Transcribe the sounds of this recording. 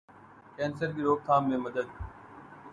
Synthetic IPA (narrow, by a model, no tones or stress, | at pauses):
kɛ̃ːnsəɾɡiːɾoːk̚t̪ʰãːmːẽːməd̪əd̪̚